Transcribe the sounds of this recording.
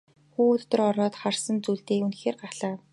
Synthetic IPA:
xuːɮt̪ə̆rɔɾɔːt̪χarsə̆nt͡suːɮt̪eːunxeːrɢaɮaː

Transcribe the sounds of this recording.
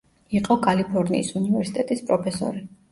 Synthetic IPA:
iqʼɔkʰʼalipʰɔɾnḭːsunivɛɾsi̥t̪ʼɛt̪ʼispʼɾɔpʰɛsɔ̰ɾi

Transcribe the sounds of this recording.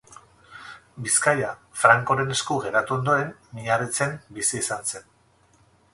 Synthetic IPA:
biskaja | fɾaŋko̞ɾe̞ne̞skuɣe̞ɾat̪uo̞nd̪o̞ɾe̞mːiɲarit͡se̞mbisiːsanse̞n

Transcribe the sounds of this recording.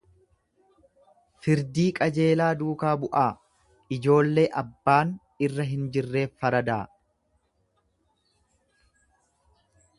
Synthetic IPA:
fɪɾd̪iːkʼɐd͡ʒe̞ːlaːd̪uːkaːbʊʔaː | ɪd͡ʒo̞ːlːe̞ːʔɐbːaːn | ɪrːɐɦɪnd͡ʒɪrːe̞ːfːɐɾɐd̪aː

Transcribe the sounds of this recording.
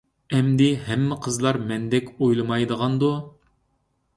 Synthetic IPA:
ɛmd̪ɪɦɛmːɪqʰəzlˠɑɾmɛnd̪ɛkʲojlˠɨmɑjd̪əʁɑnd̪u

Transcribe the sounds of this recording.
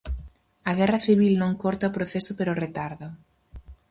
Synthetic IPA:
ɐɣ̞ɛrɐθiβ̞ilnõŋkoɾt̪aopɾoθesʊpeɾoret̪aɾðʊ

